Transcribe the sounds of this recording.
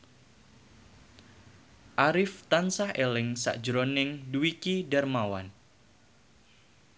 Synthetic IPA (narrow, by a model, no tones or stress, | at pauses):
ʔaɾɪft̪ansahɛlɛŋsa̰ʔd͡ʒɾɔnɛŋduikidarmawa̰n